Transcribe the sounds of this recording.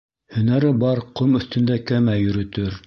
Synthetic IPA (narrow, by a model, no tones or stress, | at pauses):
hɵ̆næɾɘbɑɾqomɵ̆θt̪ɵ̆nd̪ækæmæjɵ̆ɾɵ̆t̪ɵɾ